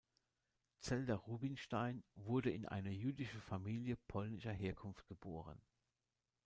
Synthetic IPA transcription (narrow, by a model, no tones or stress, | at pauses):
t͡sɛldɐʁuːbɪnʃtaɪnvʊɐdəɪnʔa̰ɪnɐjyːdɪʃəfamiːljəpʰɔlnɪʃɐɦeːɐkʰʊnft̚ɡ̥əboːʁ̞ə̰n